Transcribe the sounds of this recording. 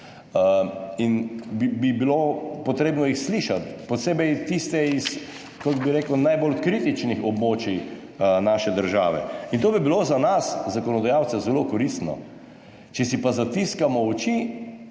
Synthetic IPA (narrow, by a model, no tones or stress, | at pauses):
inbibibilopɔt̪ɾeːbnɔixsliːʃat̪pɔt̪seːbɛjt̪ist̪ɛis | kɔkbiɾeːkəwnajbolkɾiːt̪it͡ʃnixɔbmoːt͡ʃi | naːʃɛd̪əɾʒa̰ːʋɛ̰int̪oːbibilozanaszakɔnɔd̪ajawt̪sɛzɛlokɔɾist̪nɔ̰ | t͡ʃɛsipazat̪iskamɔɔt͡ʃi